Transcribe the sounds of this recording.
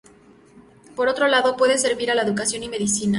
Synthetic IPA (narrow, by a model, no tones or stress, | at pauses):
po̞ɾo̞t̪ɾo̞laðo̞pwe̞ðese̞ɾβiɾalaeðukasjo̞nime̞ðisina